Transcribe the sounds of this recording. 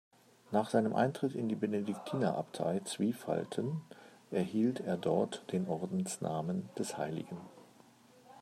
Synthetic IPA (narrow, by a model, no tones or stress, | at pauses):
naːχz̥aɪnəmʔa̰ɪntʁ̥ɪtɪ̰ndiːbenedɪktʰiːnɐʔa̰ptʰa̰ɪt͡sv̥iːfa̰ltʰənʔɛɐhiːltʰeːɐdɔɐtd̥eːnʔɔɐdn̩snʔa̰ːmənd̥ɛshaɪlɪ̰ɡn̩